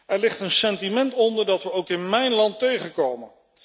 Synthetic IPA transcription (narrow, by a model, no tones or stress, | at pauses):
ʔɛɹlɪχtənsɛntimɛntɔndəɹdɑtʋəowkɪnmɛjnlɑntejχənkowmən